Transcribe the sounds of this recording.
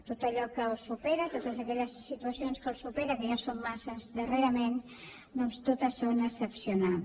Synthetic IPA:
t̪ot̪əʎɔkəlˠsupɛɾət̪ot̪əzəkɛʎəsːit̪uəsionskəlˠsupɛɾəkəjasomːasəzd̪əreɾəmen | d̪ɔnst̪ot̪əsonəsəpsiuna

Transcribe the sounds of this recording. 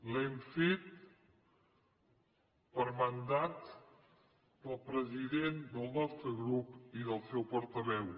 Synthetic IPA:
lɛmfet̪̚ | pəɾmənd̪at̪ | d̪əlˠpɾəziðend̪əlˠnɔst̪ɾəɣɾupiðəlˠsɛwpɔɾt̪əβɛw

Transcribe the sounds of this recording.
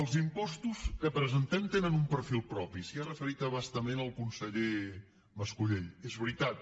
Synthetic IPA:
əlˠzimpɔst̪uzkəpɾəzənt̪ɛmt̪enənumpəɾfilˠpɾɔpisiarəfəɾit̪əβast̪əmenəlˠkunsəʎe | məskuʎeʎezβɾit̪at̪

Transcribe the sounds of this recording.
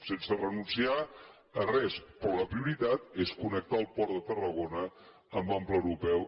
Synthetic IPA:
sensərənunsia | ərɛspɾɔləpɾiuɾit̪at̪eskunək̚t̪aəlˠpɔɾðət̪ərəɣ̞onə | əmbamplˠəwɾupɛw

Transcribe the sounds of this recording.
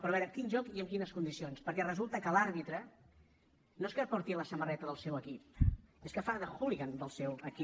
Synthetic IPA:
pɾɔβɛɾəkinʒɔkiəmkinəskund̪isionspəɾkɛrəzulˠt̪əkəlaɾβit̪ɾə | noeskəpɔɾt̪iələsəmərɛt̪əðəlˠsɛwəkip̚eskəfaðəxuliɣand̪əlˠsɛwəki

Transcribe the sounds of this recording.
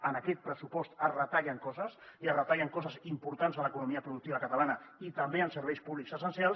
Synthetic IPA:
ənəkɛt̪̚pɾəsupɔst̪ərət̪aʎəŋkɔzəsiərət̪aʎəŋkɔzəzimpuɾt̪anzələkunumiəpɾuðuk̚t̪iβəkət̪əlanəit̪əmbeənsəɾβɛjspuβlikzəsənsialˠs

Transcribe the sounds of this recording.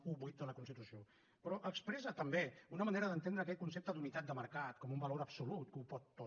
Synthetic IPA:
uβujt̪̚d̪ələkunst̪it̪usio | pɾɔʔəkspɾɛzət̪əmbeunəməneɾəðənt̪end̪ɾəːkɛt̪kunsep̚t̪əd̪unit̪at̪̚d̪əməɾkat̪kɔmumbəloɾəpsulut̪̚kupɔt̪ːo

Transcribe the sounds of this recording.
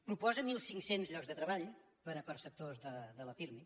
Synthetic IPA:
pɾupɔzɐmilˠsĩŋksẽnt̪uʒʎɔɣzðɨt̪ɾɐβaʎu | pɐɾɐkɐɾsɐp̚t̪oɾzðɐðɐlɐfiɾmi

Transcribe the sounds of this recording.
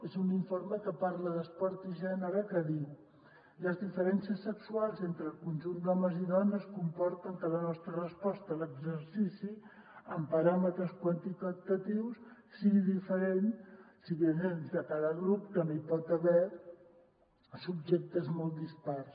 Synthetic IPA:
ezuniɱfoɾməkəpaɾləðəspɔɾt̪iʒɛnəɾəkəði | ləzðifəɾɛnsiəsːəksualˠzent̪ɾəlˠkunʲʒund̪ɔməziðɔnəskumpɔɾt̪əŋkələnɔst̪ɾərəspɔst̪ələɡzəɾsisi | əmpəɾamət̪ɾəskwənt̪it̪ət̪ət̪iwssiɣiðifəɾensiβənenzðəkaðəɣɾupkənoipɔt̪əβɛ | sub̚ʒek̚t̪əzmɔlˠd̪ispars

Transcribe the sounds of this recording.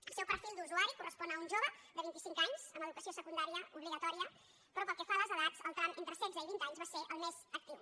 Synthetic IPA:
əlˠsɛwpəɾfilˠd̪uzuaɾikurəspɔnəunʲʒoβəd̪əβint̪isiŋkaɲz̥əməðukəsiosəkund̪aɾiəuβliɣət̪ɔɾiə | pɾɔpəlˠkɛfaləzəðazəlˠt̪ɾanent̪ɾəsɛzəiβint̪aɲzβaseʔəlˠmez̥ək̚t̪iw

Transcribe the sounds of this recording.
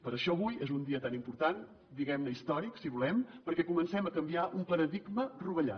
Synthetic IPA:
pəɾəʃɔəβujezund̪iət̪animpuɾt̪an | d̪iɣɛmnəist̪ɔɾiksiβulɛmpəɾkɛkumənsɛməkəmbiaʔumpləɾəðiɡməruβəʎa̰

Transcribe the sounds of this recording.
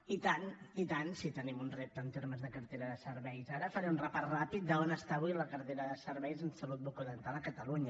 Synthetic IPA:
it̪anit̪ansit̪ənimunrep̚t̪ənt̪eɾməzðəkəɾt̪eɾəðəsəɾβɛjzaɾəfəɾɛmunrəpasrapit̪̚d̪əonəst̪aːβujləkəɾt̪eɾəðəsəɾβɛjzənsəlut̪̚bukuðənt̪alˠəkət̪əluɲə

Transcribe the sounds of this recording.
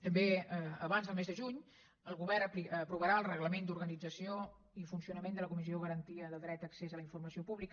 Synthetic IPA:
t̪əmbeəəβanzəlˠmezðəʒuɲ | əlˠɣuβɛɾpipɾuβəɾaəlˠrəɣləmend̪uɾɣənid͡zəsio | ifunsiunəmend̪ələkumizioɣ̞əɾənt̪iəðədɾɛt̪əksezələiɱfurməsiopuβlik

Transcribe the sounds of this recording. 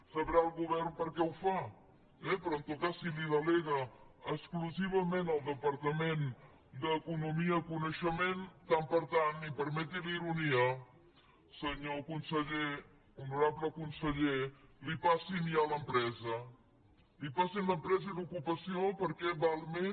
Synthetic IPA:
səβɾalˠɣuβɛrnpəɾkɛwfa | ɛpɾɔənt̪okasiliðəlɛɣə | əskluziβəmenəlˠd̪əpəɾt̪əmen | d̪əkunumiəkunəʃəment̪ampəɾt̪anːipəɾmɛt̪iliɾuniə | səɲokunsəʎe | unuɾabləkunsəʎelipasinialəmpɾɛzə | lipasinləmpɾɛzəðukupəsiopəɾkɛβalˠme

